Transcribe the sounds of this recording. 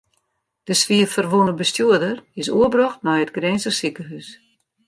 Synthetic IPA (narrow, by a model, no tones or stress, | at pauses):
d̥əsʋiətfərʋunəbəstjuədərɪsuəbrɔxtnɔjətɡreːnsəsikəɦys